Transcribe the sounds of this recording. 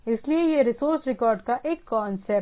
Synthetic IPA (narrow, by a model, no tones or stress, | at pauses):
ɪsliejeɾɪsoːɾsɾɪkɔːɾɖkaʔeːkːɔ̃ːnse